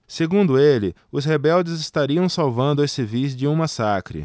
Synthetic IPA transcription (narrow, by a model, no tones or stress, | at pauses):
seɡũnd̪ʊelɪʊshebɛwd͡ʒɪzɪst̪aɾiɐ̃w̃sawvɐ̃nd̪ʊesɪvizd͡ʒɪũmasakɾɪ̰